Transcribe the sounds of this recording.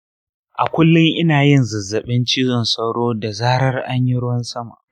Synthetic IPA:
ʔa̰˨kʷʊ˦lːʊ˦ŋʔɪ˦naː˨jɪ˦˨nzɐ˨zːɐ˨ɓɪ˦nt͡ʃiː˦zɔ˨nsɐ˦wɽoː˦da˨zaː˦ɾɐ˦rʔa˦ɲji˦ɽwɐ˦nsɐ˦ma̰˨ʔ

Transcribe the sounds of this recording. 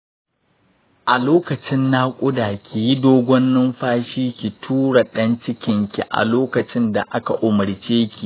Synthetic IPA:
ʔa˨loː˦kɐ˨t͡ʃɪ˦nːaː˦kʷʼʊ˦daː˨kʲi˨ji˦doː˦ɡʷɔ˦nːɪ˦mɸaː˦ʃiː˦kʲi˨tʰuː˦ɽa˨ɗɐ˦nt͡ʃɪ˦kʲɪ˦ŋkʲi˨ʔa̰˨loː˦kɐ˨t͡ʃɪ˦nda̰˨ʔa˦ka˨ʔʊ˨mɐ˨ɾt͡ʃeː˦kʲi˨

